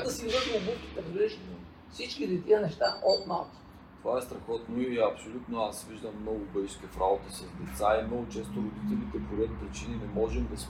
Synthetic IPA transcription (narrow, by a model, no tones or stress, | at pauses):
d̪ɐsivəd̪iobuk̪i̥t̪ɛɾliʃ | fsit͡ʃkid̪it̪iənɛʃt̪aʔɔt̪nat̪ | t̪ovaɛst̪ɾɐxɔt̪noiiɐpsolʲut̪noasviʒd̪əmːnɔɡʊbəʃskʲɛfɾaot̪isɐzd̪ɛt̪saimnɔɡʊt͡ʃɛst̪oɾod̪it̪ɛlit̪ɛpoɾʲɛt̪̚pɾit͡ʃininɛmɔʒɛmd̪ɐs